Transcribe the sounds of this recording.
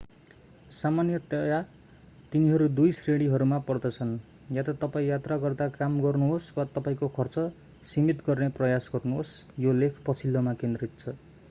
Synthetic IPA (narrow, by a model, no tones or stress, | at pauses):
samanjʌt̪ʌja | t̪iniɦʌɾud̪ujsreɽ̃iɦʌɾumapʌrd̪ʌt͡sʰʌn | jat̪ʌt̪ʌpaĩjat̪raɡʌrd̪akamɡʌrnuɦoswat̪ʌpaĩkokʰʌrt͡sʌ | simit̪ɡʌrneprʌjasɡʌrnuɦosjolekʰpʌt͡sʰilːʌmakend̪rit̪̚t͡sʰʌ